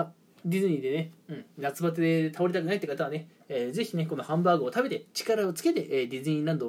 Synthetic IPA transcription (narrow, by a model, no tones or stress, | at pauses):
d̪ʲizɨɲ̟ĩd̪e̞neɯ̟̃ɴnat͡sɨbat͡sɨd̪e̞t̪ʰaoɾʲit̪akɯ̟nait̪ːekat̪aβ̞ane̞ː | d͡ze̞çineko̞no̞hãmbaːɡoːt̪abe̞t̪e̞t͡ɕi̥kaɾao̞t͡sɨ̥ke̞t̪e̞ʔeːd̪ʲizɨɲ̟ĩɾãnd̪o